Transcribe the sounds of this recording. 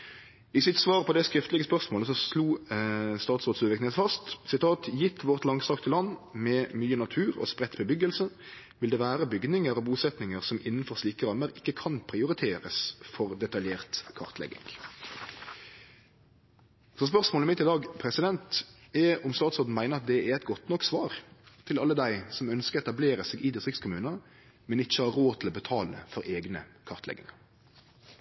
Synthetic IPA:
ɪsɪt̪sʋɑːʁpʰɔd̪ɛskɾɪft̪lɪɡəspœʁsmoːləsɔsluːst̪ɑːt̪sʁoːd̪sʉːʋɪknet̪fɑst̪sɪt̪ʰɑːt̪jɪt̪ʰːʋɔʁt̪lɑŋsɑkt̪ʰəlɑnːmɛmyːənɑt̪ʰʉːʁɔ̰spʁɛt̪bəbʏɡəlsə | ʋɪld̪ɛʋæːɾəbʏɡnɪŋəɾɔbuːsɛt̪nɪŋəʁsɔmʔɪnːn̩fɔʁsliːkəʁɑmːəʁɪkːəkʰɑnpʰɾɪʊʁɪt̪ʰeːʁəsfɔʁd̪ɛt̪ɑljeːʁt̪kʰɑ̰ʁt̪ʰlɛ̰ɡɪ̰ŋ | sɔs̬pœʁsmoːləmɪt̪ːɪd̪ɑːɡpʰɾɛsɪd̪ɛnt̪ | ɛʔʊmst̪ɑːt̪sɔːd̪n̩mæɪnəʁɑt̪̚d̪ɛæɾɛɪt̪ɡɔt̪nɔkːsʋɑːɾt̪ʰɪlɑlːəd̪æɪsɔmœnskəɾɛt̪ɑbleːɾəseːɡʔɪd̪ɪst̪ʁɪkskʊmʉːnəɑ | mɛnɪçːəhɑːɾoːt̪ʰɪlɔːbət̪ʰɑːlə̰fɔɾʔeːɡnəkʰɑʁt̪lɛ̰ɡɪ̰ŋɑɾ

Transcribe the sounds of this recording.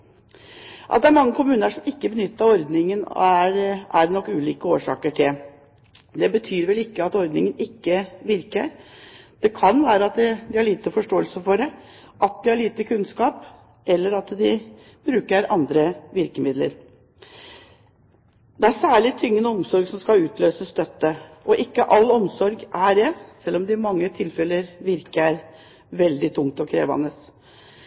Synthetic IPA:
ʔɑ̰t̪̚d̪ɛæɾmɑŋːəkʰʊmʉːnəʂɔmɪkːəbənʏt̪ːɑɔɾd̪nɪŋən̰æɾʔæɾnɔkːʉːliːkəoːʂɑ̰ːkəʈʰɪl | d̪ɛbət̪ʰyːɾʋɛlɪkːəɑt̪ɔɾd̪nɪŋənɪkːəʋɪɾkəɾd̪̥ɛkʰɑnʋæːɾəɑt̪d̪ɪhɑɭiːt̪əfɔʂʈoːəlsəfɔɖɛ | ʔɑt̪̚d̪ɪhɑɭiːt̪əkʰʉnskɑːp | ʔɛlːəɾɑt̪d̪ɪ | bɾʉːkəɾɑnd̪ɾəʋɪɾkəmɪd̪lə̰ɾ | d̪̥ɛæɾsæːɭɪt̪ʰʏŋːənəɔmsɔɾɡsɔmskɑʉːt̪løːsəst̪œt̪ːəʔɔʔɪkːəʔɑlːɔmsɔɾɡʔæɾɛsɛlːɔmd̪ɪmɑŋːət̪ʰɪlfɛləɾʋɪɾkəæɾ | ʋɛld̪ɪt̪ʰʊŋt̪ɔkʰɾḛːʋɑ̰nəs

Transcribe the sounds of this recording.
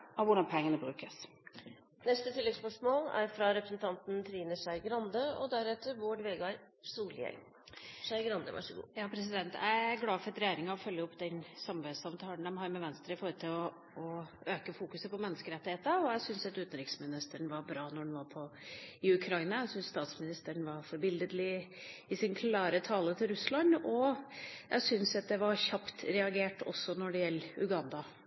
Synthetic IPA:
ʔɔʋʊɖɑnpʰɛŋːənəbɾʉːkəs | nɛst̪ət̪ʰɪlːɛɡspœʂmoːlæ̰ɾfɾɑɾɛpɾəsnt̪ʰɑnt̪n̩t̪ʰɾiːnəʂæɪɡɾɑnd̪əɔd̪æɾɛt̪ːəɾʋoːɖʋeːɡɑɾ | suːljɛ̰ɪ | ʂæɪɡɾɑnd̪ə̰ʋʔɑ̰ʂɔɡṵːjɑːpʰɾɛsɪd̪ɛnt̪æ̰ɪæɾɡlɑːfɔɾt̪ɾɛjeːɾɪŋɑɔfœlːəɔpːd̪ɛnsɑmʋeːsɑʋənt̪ʰɑːləɳd̪ɛmɦɑɾmɛʋɛnst̪ɾəɪfɔɾət̪ʰɪlɔ | ɔøːkəfuːkʉsəpɔmɛnːəskəɾɛt̪ːɪheːt̪əɔjæɪsʏnsɑt̪ʉːt̪nɾɪksmɪnɪst̪əɳʋɑɾbɾɑːnɔɖɛnʋɑɾpʰɔɪʉkʰɾɑɪnɑjæsʏnsst̪ɑːt̪smɪnɪst̪əɳʋɑɾfɔɾbɪld̪əd̪lɪɪsɪnkʰlɑːɾət̪ʰɑːlət̪ʰɪlɾʉslɑnɔjʔæ̰ɪsʏnsɑt̪̚d̪ɛʋɑɾçɑpt̪ɾɛɑɡeːʈɔ̰sːɔnɔɖɛjɛlːʉ̰ɡɑnd̪ɑ

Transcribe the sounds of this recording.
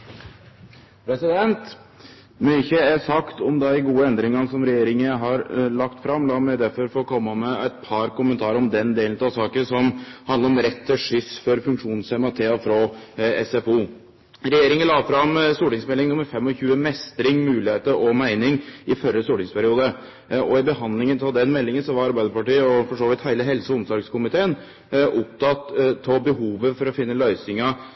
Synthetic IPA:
pʰɾɛsɪd̪ɛnt̪ | myçəæɾsɑkt̪ɔmd̪ɛɪɡuːəɛnd̪ɾɪŋɑnsɔmɾɛjeːɾɪŋəɦɑɾlɑkt̪fɾɑmlɑːmæd̪æɾfɔɾfɔɾɔkʰɔmːɑmɛæɪt̪pʰɑɾkʊmənt̪ʰɑːɾəɾɔmd̪ɛnd̪eːlnt̪ɑsɑːkəsɔmhɑnd̪əɾɔmɾɛt̪ʰːəʂʏsfɔɾfʉŋkʂuːnsɛmɑt̪ʰeːɑfɾɔɛ̰sɛfuː | ɾɛjeːɾɪŋəlɑːfɾɑmst̪uːʈɪŋsmɛlːɪŋnʊməɾfɛmːɔçʉːəmɛst̪ɾɪŋmʉːlɪheːt̪əɾʔɔmæɪnɪŋɪfœɾəst̪uːʈɪŋspʰæɾɪuːd̪ə | ɔɪbəhɑnd̪lɪŋənt̪ʰɑld̪ɛnmɛlːɪŋənsɔʋɑɾɑɾbæɪd̪əɾpɑʈiːəɔfɔʂoːʋɪt̪hæɪəɦɛlsəɔɔmsɔɾɡskʊmɪt̪ʰeːən | ʔʊp̚t̪ʰɑt̪tʰːɔbəɦuːʋəfɔɾɔfɪnːəlœʏsɪŋə

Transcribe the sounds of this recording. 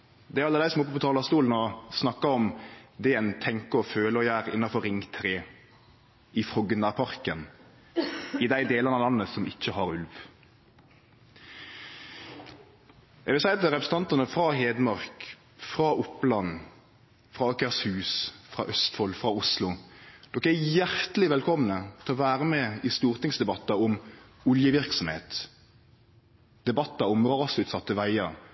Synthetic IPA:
d̪ɛæɾɑlːəd̪æɪsɔmʊpːəpɔt̪ʰɑːlɑst̪uːln̩ɔsnɑkːɑɔmd̪ɛɛnt̪ʰɛŋkəɔføːləɔjæːɾɪnːɑfɔɾɪŋt̪ʰɾeː | ɪfʁɔɡənɑːpʰɑʁkən | ɪd̪æɪd̪eːlɑʁnɑlɑnːəsɔmɪçːəhɑɾʉlʋ | ɛɡʋɪlsæɪɑt̪ɛʁɛpɾəsəɑnt̪ɑnəfɾɑɦeːd̪mɑʁk | fʁɑːʔʊplɑn | fʁɑːɔkæshʉːsfɾɑ̰ːʔœst̪fɔlfʁɑʊslʊd̪̥ɔkːæjæʁt̪lɪʋɛlkʰɔmnət̪ʰɛlɔʋæːʁəmɛːɪst̪uːʁt̪ɪŋsd̪ɛbɑt̪ːɑɔm | ʊljəʋɪʁksɔmhḛːt̪ | d̪̥ɛbɑt̪ːɑɔmʁɑːsʉːt̪sɑt̪ːəʋæɪəɾ

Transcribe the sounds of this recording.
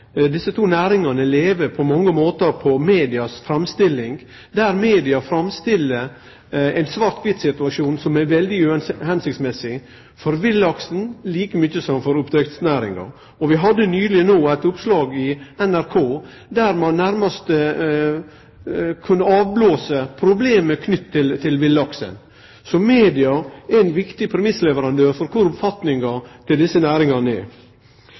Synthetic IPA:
d̪ɪsət̪ʰuːnæːɾɪŋɑnəleːʋəpʰɔmɑŋːəmoːt̪əɾpʰɔmeːd̪ɪɑsfɾɑmst̪ɪlːɪŋ | d̪æɾmeːd̪ɪɑfɾɑmst̪ɪlːə | ɛɪnsʋɑɾt̪ʋɪt̪sɪt̪ʉɑʂuːnsɔmæɾʋɛld̪ɪʉhɛnsɪkt̪smɛsɪ | fɔɾʋɪlːɑksn̩liːkəmʏçəsɔmfɔɾʊpd̪ɾɛkt̪snæːɾɪ̰ŋɑ̰ɾ | ɔʋɪɦɑd̪ːənyːlɪənoːæɪt̪ʊpslɑːɡɪɛnæɾkʰoː | d̪æɾmɑnːæɾmɑst̪ə | kʰʉnːəɑːʋbloːsəpʰɾʊbleːməkʰnʏt̪ʰːɪlt̪ʰɪlʋɪlːɑksə̰n | sɔmeːd̪ɪɑæɪnʋɪkt̪ɪpʰɾɛmɪsːlɛʋəɾɑnd̪øːɾfɔɾkʰʊɾʊpfɑt̪nɪŋɑt̪ʰɪld̪ɪsːənæːɾɪŋɑnɛ̰ɾ

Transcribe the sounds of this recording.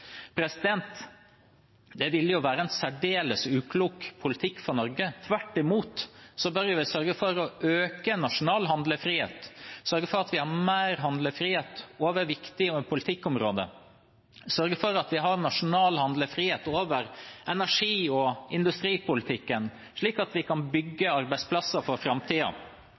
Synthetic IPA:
pʰɾɛsɪd̪ɛnt̪ | d̪ɛʋɪlːəjʊʋæːɾəɛnsæɖeːləsʉːkʰluːkpʰʊlɪt̪ʰɪkːfɔnɔɾɡət̪ʰʋæʈːɪmuːt̪sɔbœɾjɪʋɪsœɾɡəfɔɾɔʔøːkənɑʂʊnɑːlɦɑnd̪ləfɾiːḛːt̪sœɾɡəfɔɾɑt̪ʋɪhɑɾmæːɾɦɑnd̪ləfɾiːheːt̪oːʋəɾʋɪkt̪ɪɔɛpʰʊlɪt̪ʰɪkːɔmɾoːd̪ə̰ | sœɾɡəfɔɾɑt̪ʋɪɦɑɾnɑʂʊnɑːlhɑnd̪ləfɾiːheːt̪oːʋəɾɛnæʂiːɔɪnd̪ʉst̪ɾiːpʊlɪt̪ʰɪkːən | ʂɭiːkɑt̪ʋɪkʰɑnbʏɡːəɑɾbæɪspʰlɑsːəɾfɔɾfɾɑmt̪ʰiːɑ̰

